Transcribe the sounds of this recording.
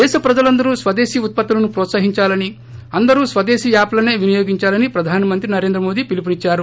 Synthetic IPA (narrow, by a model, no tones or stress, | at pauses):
d̪ɛːʃɐpɾɐd͡ʒɐlɐnd̪ɐɾusʋɐd̪e̞ːʃiut̪̚pɐt̪ːulɐnupɾɔːt̪saːɦiɲt͡ʃaːlɐni | ɐnd̪ɐɾuːsʋɐd̪eːʃijaːplɐneːʋinijo̞ːɡiɲt͡ʃaːlɐnipɾɐd̪ʱaːnimɐnt̪ɾinɐɾe̞nd̪ɾɐmo̞ːd̪iːpilip̬unit͡ʃːaːɾu